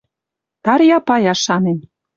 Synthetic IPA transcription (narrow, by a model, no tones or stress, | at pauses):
t̪ɑɾjɑpɑjɑʃɑnen